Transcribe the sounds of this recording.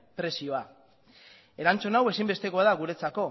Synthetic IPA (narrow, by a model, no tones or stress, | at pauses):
pɾe̞sio̞a | e̞ɾant͡sonawe̞simbe̞st̪e̞koaðaɣuɾe̞t͡sako̞